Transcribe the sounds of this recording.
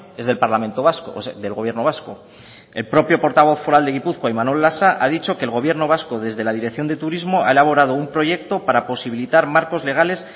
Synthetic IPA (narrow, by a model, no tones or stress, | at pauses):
e̞zðe̞lpaɾlament̪o̞βaskoðe̞lɣo̞βje̞ɾno̞β̞asko | e̞lpɾo̞pjo̞po̞ɾt̪aβ̞o̞θfoɾald̪e̞ɣ̞ipuθkwaimanwe̞lːasaʔaðit͡ʃo̞keːlɣo̞β̞je̞ɾno̞β̞asko̞ð̞e̞zðe̞lað̞iɾe̞kθjo̞nd̪et̪uɾizmo̞a̰e̞laβ̞o̞ɾað̞o̞umpɾo̞ʝe̞k̚t̪o̞paɾapo̞siβ̞ilit̪aɾmaɾko̞zle̞ɣ̞ale̞s